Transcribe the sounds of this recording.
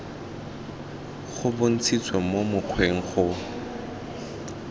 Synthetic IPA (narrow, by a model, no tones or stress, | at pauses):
χʊbʊn̩t͡sʰit͡sʰwemomʊq͡χʰweŋ̩χʊ